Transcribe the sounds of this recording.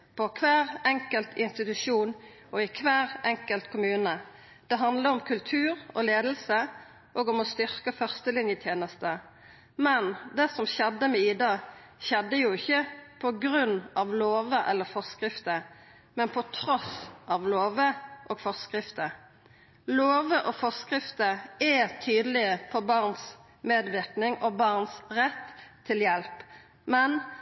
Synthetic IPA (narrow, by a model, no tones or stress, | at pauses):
pʰɔkʰʋæːʁɛŋkəlt̪ʰɪnst̪ɪt̪ʉʂuːn | ʔɔɪkʰʋæːʁɛŋkəlt̪kʰʊmʉːnə | d̪̥ɛɦɑnd̪ləɾɔmkʰʉlt̪ʰʉːʁɔ̰leːd̪əl̩sə | ʔoːɡɔmɔst̪ʏʁkəfœʁst̪əlɪnjət̪ʰjeːnəst̪ə | mɛnd̪ɛːsɔmɕɛd̪ːəmɛiːd̪ɑː | ʃɛd̪ːəjʊɪçːəpʰɔɡɾʉnːʔɑʋloːʋəʔɛlːəfɔʁskʁɪft̪ə | mɛnpʰɔt̪ʰɾɔsʔɑʋloːʋəʔoːɡ̥fɔʁskʁɪft̪ə | loːʋəʔɔfɔskʁɪft̪əɛt̪ʰyːd̪əlɪəfɔbɑʁns | meːd̪ʋɪʁknɪŋʔɔbɑʁnsʁɛt̪ʰːɪljɛlp | mɛn